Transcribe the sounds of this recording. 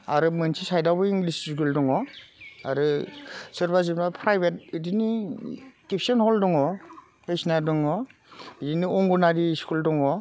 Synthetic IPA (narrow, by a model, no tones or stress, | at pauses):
aɾɯmɯnsʰisajdawbɯiŋɡlisskuldɔŋɔaɾɯsɯɾbas̬ibnapʰɾajbet̚ɯdini | kip̚ʰsɔnhɔldɔŋɔ | pejsnadɔŋɔ | diniɔŋɡunadiskuldɔŋɔ